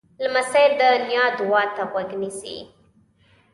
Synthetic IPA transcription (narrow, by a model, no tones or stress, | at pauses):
lmasajld̪ənjɑd̪ʊwɑt̪aɣwaɡnisḭ